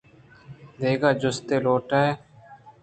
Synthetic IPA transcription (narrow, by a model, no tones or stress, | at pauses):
d̪eːɡaːd͡ʒʊst̪eːloːʈaːeː